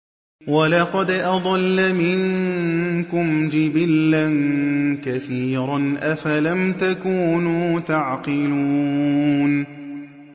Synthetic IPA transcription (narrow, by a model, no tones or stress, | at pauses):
walɑqɑd̪ʔɑd̪ˤɑlːamɪŋ | kʊmd͡ʒɪbɪlːankaθiːɾanʔafalamt̪akuːnuːt̪aʕqɨluuːn